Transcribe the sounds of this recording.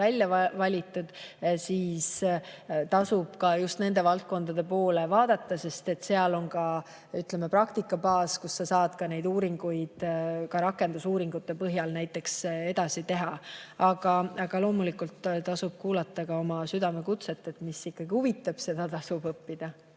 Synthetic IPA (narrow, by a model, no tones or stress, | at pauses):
ælʲjɑvɑlʲit̪ːˑud̪̥siːs | t̪ɑsub̥kɑjust̪ne̞nd̪e̞vɑlt̪̚ko̞nd̪̥ɑd̪̥e̞po̞ːlevɑːd̪̥ɑt̪ːˑɑse̞st̪e̞t̪se̞ɑlo̞nkɑ | yt̪le̞me̞prɑkt̪ikːˑɑbɑːskusːɑsɑːd̪̥kɑne̞jd̪uːɾiŋɡ̥ujd̪̥kɑɾɑkːˑe̞nd̪usuːɾiŋɡ̥ut̪ːe̞pɤɦjɑlnæjt̪ːˑe̞kse̞d̪̥ɑsit̪e̞ɦɑɑɡ̥ɑɑɡ̥ɑlo̞ːmulikult̪t̪ɑsub̥̚kuːlɑt̪ːˑɑkɑo̞mɑsyd̪̥ɑme̞kut̪se̞t̪ːˑe̞t̪misikːɑɡ̥ihuvit̪ːˑɑb̥se̞d̪̥ɑt̪ɑsub̥ɤpːid̪̥ɑ